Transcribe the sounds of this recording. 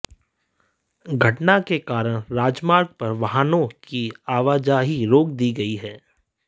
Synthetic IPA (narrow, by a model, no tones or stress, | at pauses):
ɡʱɐʈnakekaːɾəɽ̃ɾaːd͡ʒmaːɾɡ̚pɐɾʋɐɦaːnõkiaːʋaːd͡ʒaːɦiɾoːk̚d̪iɡɐiɦɛː